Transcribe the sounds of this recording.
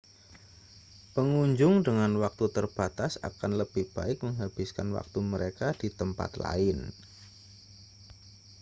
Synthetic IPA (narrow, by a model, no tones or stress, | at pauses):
pəŋuɲd͡ʒʊŋdəŋanwak̚t̪ut̪ərb̥at̪asa̰kanləb̥ɪhb̥aɪk̚məŋɦab̥ɪskanwa̰k̚t̪uməɾekadit̪əmpa̰t̪la̰ɪn